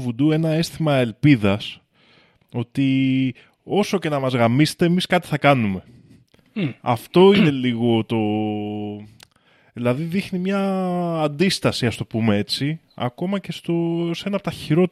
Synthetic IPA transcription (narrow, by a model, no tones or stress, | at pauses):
vud̪ue̞nɐe̞st̪imɐe̞lpiðɐs | o̞t̪i | o̞so̞ce̞nɐmɐzɣɐmise̥t̪e̞ːmiskɐt̪i̥θɐkɐnume̞ | ɐ̰ft̪o̞ine̞liɣo̞t̪o̞ | ðilɐðiðixnimɲɐːnd̪ist̪ɐsiɐst̪o̞pume̞e̞t͡si | ɐ̰ko̞mɐce̞st̪o̞se̞nɐpot̪ɐçiɾo̞